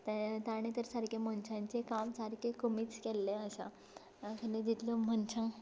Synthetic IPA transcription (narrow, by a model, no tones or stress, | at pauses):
t̪t̪aɽ̃et̪əɾsaɾkemənt͡ɕʰãɲt͡ɕekamsaɾkʰekomiːt͡skɛlːeəɕa | kəned͡ʑit̪ləmənt͡ɕʰãŋ